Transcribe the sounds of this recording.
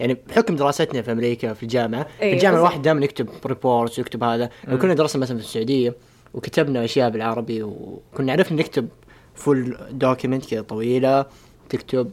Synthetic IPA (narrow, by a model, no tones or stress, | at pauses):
jaʕnibħʊkmd̪ɪɾɑːsat̪nafiʔamɾiːkafild͡ʒaːmɪʕaɪld͡ʒaːmɪʕawaːħɪd̪ːaːjmanjɪk̚t̪ɪbɾɪpoːɾt̪swjɪk̚t̪ɪbhaːðalawkʊnːad̪ɪɾˤsnamaθalanfɪsːʊʕuːd̪ɪjːa | wkat̪abnaʔaʃjaːʔbɪlʕɑɾˤɑbiwkʊnːaʕaɾɪfʔɪnːɪkt̪ɪb | fʊld̪oːkjʊmɪnt̪kɪðat̪ˤːɑwiːla | t̪ɪkt̪ɪb̚